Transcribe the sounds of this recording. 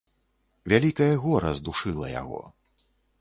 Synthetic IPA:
vʲalʲikɐjɐɣɔɾɐ̰zd̪uʂɨlˠɐ̰ja̰ɣɔ̰

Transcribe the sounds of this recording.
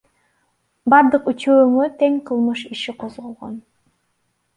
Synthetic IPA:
bɑɾd̪ɯqyt͡ʃøːŋøt̪eŋqʰɯlˠmɯʃiʃiqʰozʁo̞lˠʁo̰n

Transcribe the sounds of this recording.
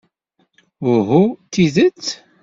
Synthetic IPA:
ʊɦut̪ːiðət͡sː

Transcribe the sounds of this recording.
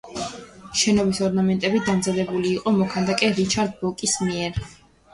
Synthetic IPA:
ʃɛnɔbisɔɾnamɛnt̪ʼɛbid̪amzad̪ɛbuliːqʼɔmɔkʰand̪akʼɛɾit͡ʃʰaɾd̪̚bɔkʼismiɛɾ

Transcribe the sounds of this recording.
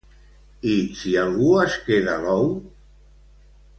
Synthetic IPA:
isialɣuaskeðalɔw

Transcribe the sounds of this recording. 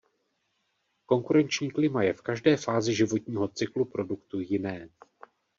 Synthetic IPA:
ko̞ŋkuɾɛnt͡ʃɲiːklɪmajɛfkaʒdɛːfaːzɪʒɪvo̞t̪ɲiːɦo̞t͡sɪklupɾo̞dukt̪ujɪnɛː

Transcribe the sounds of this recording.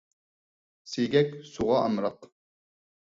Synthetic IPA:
sejɡʲɛkʲsuʁɑʔɑmɾɑq

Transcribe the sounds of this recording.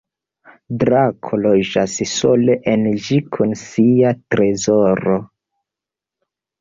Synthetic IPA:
dɾakʰolo̞d͡ʒasso̞leʔend͡ʒikʰunsiatɾe̞zoɾo

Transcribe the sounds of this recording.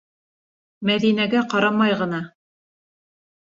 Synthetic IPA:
mæðinæɡæqɑɾɑmɑjʁɤ̆nɑ

